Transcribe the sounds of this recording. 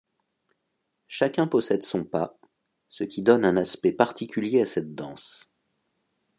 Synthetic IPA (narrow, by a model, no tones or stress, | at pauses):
ʃakʲɛ̃pɔsɛd̪sɔ̃pa | səkʲid̪ɔnɛ̃naspɛpaʁt̪ʰikʲyljeasɛt̪̚d̪ɑ̃s